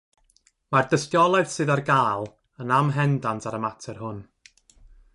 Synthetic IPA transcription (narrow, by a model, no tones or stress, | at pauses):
mardəstjɔlˠaɨð̥sɨðarɡaːlˠ | ənamɦɛndantʰaɾəmatʰɛrhʊn